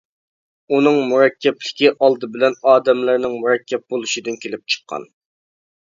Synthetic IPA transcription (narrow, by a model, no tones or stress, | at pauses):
unɨŋmuɾɛkʲːɛplɪkʲiʔɑlˠd̪ɨbɪlɛnɑːd̪ɛmlɪɾnɪŋmuɾɛkʲːɛp̚bolˠuʃid̪ɨnkʲʰelɪp̚t͡ʃʰə̥qʰːɑ̰n